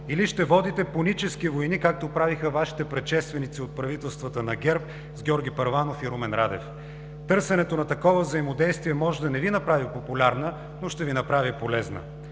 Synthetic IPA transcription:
iliʃt̪ɛvɔd̪it̪ɛponit͡ʃɛskivojnikak̚t̪opɾavixəvaʃi̥t̪ɛpɾɛt̪ʃɛst̪vɛnit̪siot̪̚pɾɐvit̪ɛlˠst̪vət̪ənɐɡʲɛɾp̚ | zɡʲɔɾɡʲipɐɾvanofiɾumɛnɾad̪ɛf | t̪ɤɾsɛnɛt̪onɐt̪ɐkɔvəvzɐimod̪ɛjst̪viɛmɔʒd̪ɐnɛvinɐpɾavipopʊlʲaɾnə | noʃt̪ɛvinɐpɾavipolɛznə̰

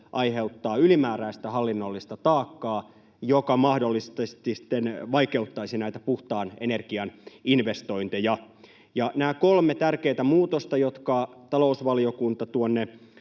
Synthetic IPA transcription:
ʔɑjhe̞ut̪ːɑːylimæːræist̪æhɑlːinːolːist̪ɑt̪ɑːkːɑː | jokɑmɑhdolːist̪est̪ist̪ːenʋɑike̞ut̪ːɑisinæit̪æpuht̪ɑːnenerɡ̥iɑninʋest̪o̞int̪ijɑ | jɑnæːkolmet̪ærkeːt̪æmuːt̪ost̪ɑjot̪kɑt̪ɑlousʋɑliokunt̪ɑt̪uonːe

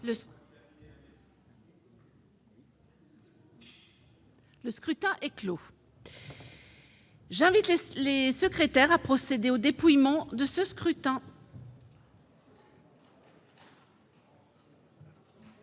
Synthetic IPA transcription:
lə | ləskχyt̪ɛ̃ʔɛklo | ʒɛ̃vit̪lelesəkχet̪ɛʁapχɔsed̪eod̪epujmɑ̃d̪əsəskχyt̪ɛ̃

